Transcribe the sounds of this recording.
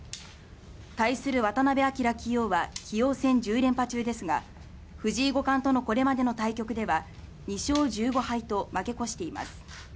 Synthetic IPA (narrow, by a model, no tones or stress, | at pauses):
t̪aisɨɾɯ̟βat̪anabe̞akʲiɾakʲijo̞ːβakʲʰijo̞ːsẽ̞ɲ̟d͡ʑɨːɾẽ̞mpat͡ɕɨːd̪e̞sɨɡa | ɸɯ̟ʑiːɡo̞kãnt̪o̞no̞ko̞ɾe̞mad̪e̞no̞t̪aikʲo̞kɯ̟d̪e̞βa | ɲ̟iɕo̞ːʑɨːɡo̞hait̪o̞make̞ko̞ɕi̥t̪e̞ima̰sɨ̥